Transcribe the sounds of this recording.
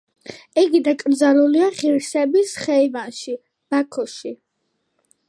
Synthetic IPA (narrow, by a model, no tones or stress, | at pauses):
ɛɡid̪akʼɾd̪zaɾuliaχiɾsɛbisχɛivanʃi | b̥akʰɔʃi